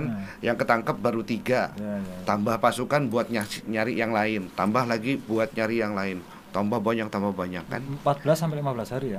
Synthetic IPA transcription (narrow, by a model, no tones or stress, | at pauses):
njaŋkət̪aŋkap̚baɾut̪iɡat̪ambahpasukanbuat̪̚ɲaɲaɾijaŋlaɪnt̪ambahlaɡibuat̪̚ɲaɾijaŋlaɪn | t̪ambahbaɲak̚t̪ambahbaɲakːa̰npat̪̚bəlasːampɪlimabəlasɦaɾia